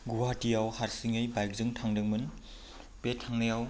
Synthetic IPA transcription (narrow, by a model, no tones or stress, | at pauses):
ɡuɦatijawhaɾsiŋɯjbajk̚zɯŋtʰaŋdɯŋmɯn | petʰaŋnɯjaw